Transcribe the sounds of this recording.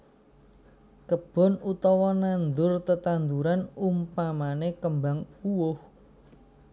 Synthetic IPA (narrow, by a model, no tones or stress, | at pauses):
kəb̥ɔ̤nut̪ɔwɔnand̪ʊrt̪ət̪and̪uɾanumpamanekəmbaŋuwʊh